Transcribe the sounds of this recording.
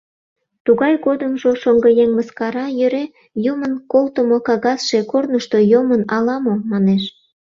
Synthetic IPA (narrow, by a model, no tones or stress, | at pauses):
t̪uɣɑjɣod̪əmʒoʃoŋɡəjeŋməskɑɾɑjøɾe | jumənkolt̪əmokɑɣɑsʃe̽kornəʃt̪ojomənɑlɑmomɑneʃ